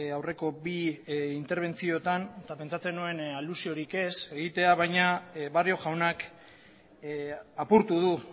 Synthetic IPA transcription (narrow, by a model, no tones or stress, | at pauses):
awre̞ko̞biint̪e̞ɾβ̞e̞nt͡sio̞t̪anet̪ape̞nt͡sat͡se̞nue̞nalusio̞ɾike̞se̞ɣit̪e̞aβ̞ajɲaβario̞ʝawnak | apuɾt̪uð̞u